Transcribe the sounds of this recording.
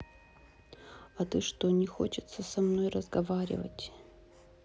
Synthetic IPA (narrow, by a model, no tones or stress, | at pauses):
ɐt̪ɨʂt̪onʲɪxo̰t͡ɕɪt̪səsɐmno̞jrəzɡɐvaɾʲɪ̰və̰tʲ